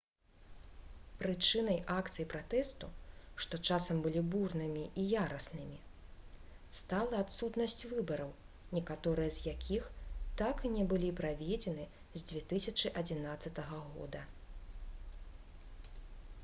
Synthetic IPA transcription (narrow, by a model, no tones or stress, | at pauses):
pɾɨt͡ʂɨnɐjʔakt̪sɨjpɾat̪ɛst̪uʂt̪ɔt͡ʂasɐmbɨlʲiburnɨmʲiʔijaɾɐsnɨmʲi | st̪alˠɐat̪sut̪nɐsʲt͡sʲvɨbɐɾɐw | nʲɛkat̪ɔɾɨjɐzʲjakʲʰixt̪akinʲɛbɨlʲipɾavʲɛd͡zʲɛnɨ | zʲd͡zʲvʲɛt̪ɨsʲɐt͡ʂɨʔɐd͡zʲinat̪sːɐt̪ɐɣɐɣɔ̰d̪ɐ